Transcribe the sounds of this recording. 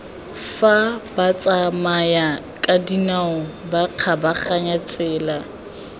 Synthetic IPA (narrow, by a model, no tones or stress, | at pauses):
fabat͡sʼamaja | kʼadinaʊbaq͡χʰabaχaɲat͡sʼɛːla